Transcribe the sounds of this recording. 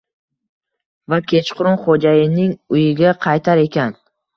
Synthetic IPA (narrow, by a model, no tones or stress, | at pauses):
vakʲʰe̞t͡ʃqʰʊɾʊnχod͡ʒajɪnɪŋʊjɪɡʲaqʰɑjt̪ʰaɾe̞kʲʰan